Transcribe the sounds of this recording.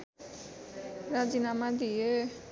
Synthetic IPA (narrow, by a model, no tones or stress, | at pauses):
ɾad͡ʒinamad̪ie